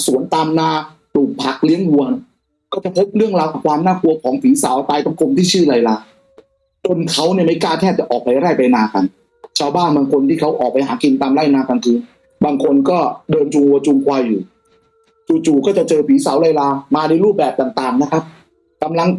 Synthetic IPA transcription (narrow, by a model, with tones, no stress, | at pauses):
su˨˩˦ənt̪aː˧mnaː˧ | pluː˨˩k̚pʰa˨˩k̚li˦˥əŋwu˧ə | kɔː˥˩t͡ɕa˨˩pʰo˦˥p̚ɾɯ˥˩əŋɾaː˧wʔa˨˩kʰwaː˧mnaː˥˩ku˧ɐkʰɔː˩˦ŋfiː˩˦saː˩˦wt̪aː˧jt̪ɔ˥˩kʰo˧mt̪ʰiː˥˩t͡ɕʰɯː˥˩la˧jlaː˧ | t͡ɕo˧nkʰa˦˥wni˥˩ma˥˩jkaː˥˩t̪ʰɛː˥˩t͡ɕa˨˩ʔɔː˨˩k̚pa˧jɾaː˥˩jpa˧jnaː˧ka˧n | t͡ɕʰaː˧wbaː˥˩nbaː˧ŋkʰo˧nt̪ʰiː˥˩kʰa˦˥wʔɔː˨˩k̚pa˧jɦa̰ː˩˦ki˧nt̪aː˧mlaː˥˩jnaː˧ka˧nkʰɯː˧n | baː˧ŋkʰo˧nkɔː˥˩dɤː˧nt͡ɕu˧ŋwu˧ɐt͡ɕu˧ŋkʰwaː˧jːuː˨˩ | t͡ɕuː˨˧˩t͡ɕuː˨˩kɔː˥˩t͡ɕa˨˩t͡ɕɤː˧pʰiː˨˩˦sa˨˩˦wlaː˧jlaː˧maː˧na˧jɾuː˥˩p̚bɛː˨˩p̚t̪aː˨˩ŋt̪aː˨˩ŋna˦˥kʰa˦˥p̚ | ka˧mla˧ŋ